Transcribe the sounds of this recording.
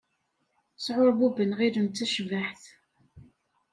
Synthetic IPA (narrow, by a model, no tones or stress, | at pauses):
sʕoɾˤbubənʁiɾənt̪ːæʃvaħθ